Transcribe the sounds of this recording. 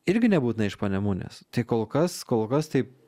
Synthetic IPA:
ɪɾʲɡʲɪnʲɛbuːt̪ʲɪnɐɪʃpɐnʲɛmuːnʲḛːst̪ɐɪkoːlˠkɐskoːlˠkɐst̪ɐɪp̚

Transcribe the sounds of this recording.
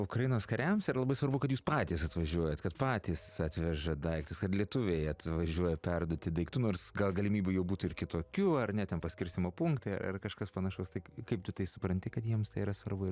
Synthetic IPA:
ʊkɾɐjɪnoːskɐɾʲɛmsiɾɐlˠɐbɐɪsʋɐɾbʊkɐt̪juːspɑːt̪ʲiːsɐt̪ʋɐʒʲuɔjɛt̪kɐt̪pɑːt̪ʲiːsɐt̪ʲʋʲɛʒɐd̪ɐɪkt̪ʊskɐt̪lʲiɛt̪ʊʋʲejɐt̪ʋɐʒʲuɔjɛpʲɛrd̪uɔt̪ʲɪd̪ɐɪkt̪ʊnoːɾsɡɐlˠɡɐlʲɪmʲiːbʲʊjɛʊbuːt̪ʊɪɾkʲɪt̪oːkʲʊɐrnʲɛt̪ʲɛnpɐsʲkʲɪɾʲsʲt̪ʲɪmoːpʊŋkt̪ʲeɐ̰ɐ̰rkɐʃkɐspɐnɐʃɐʊst̪ɐɪkɐɪp̚t̪ʊt̪ɐɪsʊpɾɐnʲt̪ʲɪkɐt̪jiɛmst̪ɐɪːɾɐsʋɐrbʊɪ

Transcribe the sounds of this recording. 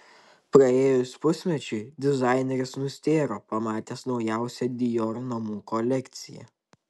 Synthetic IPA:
pɾɐeːjʊsʲpʊsʲmʲɛt͡ʃʲʊɪd̪ʲɪzɑˑɪnʲɛɾʲɪsnʊsʲt̪ʲeːɾoːpɐmɑːt̪ʲeːsnɒʊjæˑʊsʲɛd̪ʲɪjoːɾnɐmuːkɔlʲɛkʲt̪sʲɪjɛ̰

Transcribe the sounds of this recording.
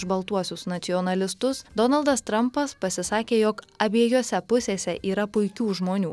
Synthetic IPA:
ʒbɐlˠt̪uɔsʲʊsnɐt̪sʲɪɔːnɐlʲɪst̪ʊsd̪ɔnɐlˠd̪ɐst̪ɾɐmpɐspɐsʲɪsɑːkʲeːjokɐbʲiɛjoːsʲɛpʊsʲeːsʲɛʔiːɾɐpʊɪkʲuːʒmoːnʲuː

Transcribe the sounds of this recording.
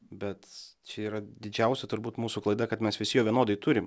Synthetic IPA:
bʲɛt̪t͡ʃʲɛiːɾɐd̪ʲɪd͡ʒʲɛʊsʲɛt̪ʊɾbuːt̪muːsuklˠɐɪd̪ɐkɐt̪mʲɛsʋʲɪsʲɪjoːʋʲiɛnoːd̪ɐɪt̪ʊɾʲɪm

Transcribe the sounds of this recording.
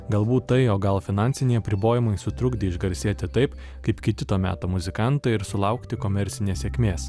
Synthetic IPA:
ɡɐlˠbuːt̪ːɐɪoːɡɐlˠfʲɪnɑnʲsʲɪnʲɛɪɐpʲɾʲɪboːjɪmɐɪsʊt̪ɾʊɡd̪ʲɪɪʒɡɐɾʲsʲeːt̪ʲɪt̪ɐɪp | kɐɪpkʲɪt̪ʲɪt̪oːmʲæ̰ːt̪oːmʊzʲɪkɑˑnt̪ɐɪɪɾsʊlˠɐʊkt̪ʲɪkomʲɛɾʲt̪sʲɪnʲeːsʲeɛːkʲmʲeːs

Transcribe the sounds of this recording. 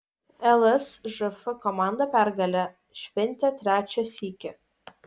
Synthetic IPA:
ɛlˠɛsʒɨfɨkɔmɑˑnd̪ɐpʲæɾɡɐlʲɛ | ʃʲʋʲɛnʲt̪ʲɛt̪ʲɾʲæːt͡ʃʲɛsiːkʲɪ

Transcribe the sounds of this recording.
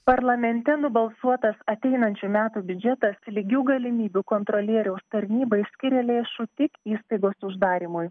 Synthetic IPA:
pɐɾlˠɐmʲɛnʲt̪ʲɛnʊbɐlˠsuɔt̪ɐsɐt̪ʲɛɪnɐnʲt͡ʃʲumʲæːt̪uːbʲʊd͡ʒʲɛt̪ɐslʲɪɡʲuːɡɐlʲɪmʲiːbʲuːkɔnt̪ɾɔlʲiɛɾʲɛʊst̪ɐɾʲnʲiːbɐɪsʲkʲɪɾʲɛlʲeːʃʊt̪ʲɪkiːst̪ɐɪɡoːsʊʒd̪ɑːɾʲiːmʊj

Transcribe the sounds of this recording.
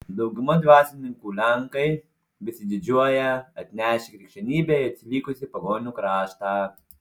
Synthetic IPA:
d̪ɐʊɡʊmɐd̪ʲʋʲɑːsʲɪnʲɪŋkuːlʲɛŋkɐɪ | bʲɪsʲɪd̪ʲɪd͡ʒʲuɔjɛɐt̪ʲnʲæːʃʲɪkɾʲɪkʃʲɛnʲiːbʲɛːɪɐt̪ʲsʲɪlʲiːkʊsʲɪpɐɡoːnʲuːkɾɑːʃt̪ɑː

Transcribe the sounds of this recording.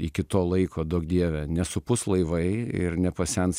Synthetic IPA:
ɪkʲɪt̪oːlˠɐɪkʰoːd̪oːk̚d̪ʲiɛʋʲɛnʲɛsʊpʊslˠɐɪʋɐɪɪ̰ɾnʲɛpɐsʲɛns

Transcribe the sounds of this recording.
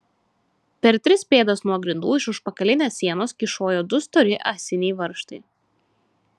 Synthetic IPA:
pʲɛɾt̪ʲɾʲɪspʲeːd̪ɐsnuɔɡɾʲɪnd̪uːɪʃʊʃpɐkɐlʲɪnʲeːsːʲiɛnoːskʲɪʃoːjoːd̪ʊst̪ɔɾʲɪʔaːsʲɪnʲɛjʋɐɾʃt̪ɐɪ

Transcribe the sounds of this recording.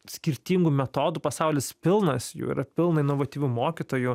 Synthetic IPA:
sʲkʲɪɾʲt̪ʲiːŋɡumʲɛt̪oːd̪upɐsɑʊlʲɪspʲɪlˠnɐsjṵːḭɾɐpʲɪlˠnɐɪnoːʋɐt̪ʲiːʋʲumoːkʲit̪oːju

